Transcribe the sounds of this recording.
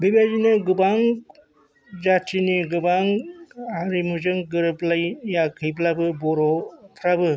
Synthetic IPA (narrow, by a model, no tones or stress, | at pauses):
bibazinɯɡɯbaŋ | d͡ʒatʰiniɡɯbaŋaɾimuzɯŋɡɯɾɯplajjakʰɯjb̬labɯbɔɾɔt̪ʰɾabɯ